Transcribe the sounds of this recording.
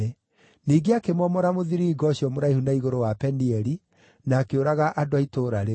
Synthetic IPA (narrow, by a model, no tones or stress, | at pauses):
ɛ | niːɡeakemɔmɔɾamoðiɾiːɡɔɕiɔmoɾaihundaiɣoɾowapɛniɛɾi | naːkeoɾaɣaʔadoaitoɾaɾe